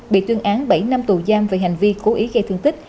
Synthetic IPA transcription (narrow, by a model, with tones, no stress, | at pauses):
ɓḭ˧˨t̪wi˧ənʔaː˨˦nɓa˧˩jna˧mt̪u˨˩zaː˧mve˨˩ɦa˨˩jŋ̟vi˧ko˨˦ʔi˨˦ɣə˧jt̪ʰɨ˧əŋt̪ï˦˥k̟̚